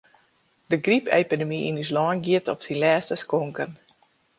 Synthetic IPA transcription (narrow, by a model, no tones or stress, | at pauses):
dəɡripḛːpidəmiʔḭnyslɔːnɡiətɔpsinlɛːstəskɔŋkən